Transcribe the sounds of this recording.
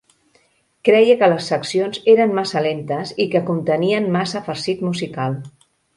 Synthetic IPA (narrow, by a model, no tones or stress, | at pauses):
kɾɛjəkələsːəksionzeɾənmasəlent̪əzikəkunt̪əniənmasəfəɾsit̪muzikalˠ